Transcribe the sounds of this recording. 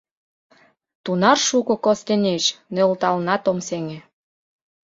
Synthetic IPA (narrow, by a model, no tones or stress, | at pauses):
t̪unɑrʃukŏkost̪eneʃnølt̪ɑlnɑt̪omseŋĕ